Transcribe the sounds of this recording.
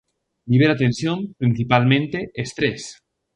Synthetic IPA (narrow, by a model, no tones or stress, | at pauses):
liβeɾat̪ensjompɾinθipalmẽnt̪eest̪ɾes